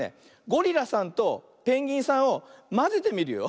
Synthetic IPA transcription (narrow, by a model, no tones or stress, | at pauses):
ḛ | ɡo̞ɾʲiɾasãnt̪o̞ | pẽ̞ŋɡʲĩɰ̃sãɰ̃o̞mazet̪e̞mʲiɾɯ̟jo̰